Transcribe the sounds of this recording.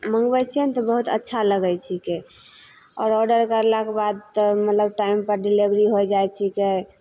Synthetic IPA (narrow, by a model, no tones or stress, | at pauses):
məŋɡbɛt͡ʃʰiɛnt̪ɔbəɦut̪ə̰tːʃʰaləɡɛjt͡ʃʰike | ɔ̰ːɾɔɖəɾkəɾlakebad̪̚t̪ɔmət̪ləb̚ʈaimpəɾɖilebɾiɦojd͡ʒajt͡ʃʰike